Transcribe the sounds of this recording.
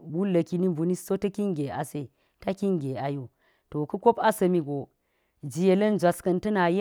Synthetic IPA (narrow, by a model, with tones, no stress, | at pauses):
wu˦lɐ˨ki˦ni˦bu˨ni˦so˦tɐ˦ki˦ŋɡʲe˨a˨se˦˨ | ta˦ki˦ŋɡʲe˨a˨ju˦ | to˨ku˦kʷo˦pa˦sɐ˨mi˨ɡo˨ | d͡ʒi˨je˨lɐ˦nd͡ʒʷa˨skɐ˨ntɐ˦na˨je˦